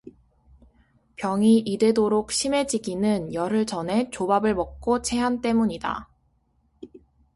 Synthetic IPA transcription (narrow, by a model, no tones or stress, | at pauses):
pjʌŋiʔide̞doɾok̚ɕʰime̞d͡ʑiɡinɯnjʌɾɯɭt͡ɕʌne̞t͡ɕobabɯɭmʌk̚k͈ot͡ɕʰe̞ɦant͈e̞muɲida̰